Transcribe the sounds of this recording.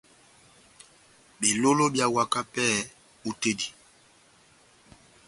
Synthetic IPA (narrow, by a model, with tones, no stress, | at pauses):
be˨lo˦lo˦bja˦wa˦ka˦pɛ˦˨ | u˦te˦di˨